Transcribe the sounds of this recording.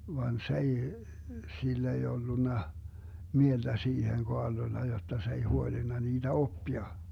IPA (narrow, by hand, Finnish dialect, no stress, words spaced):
ʋɑn s ei silː ei olːunːɑ mield̥æ siːheŋ koɑrlolːɑ jotːɑ s ei huolinːɑ niːd̥æ opːiɑ